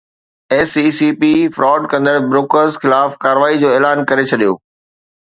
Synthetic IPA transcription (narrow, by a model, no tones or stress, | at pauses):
ɛːsisiːpifɾʔɔːɖkɐ̃nd̪əɾbɾoːkəɾzxɪlaːfkaːɾəʋaːid͡ʑoːeːlaːnkɐɾet͡ɕʰɐɗijo̰ː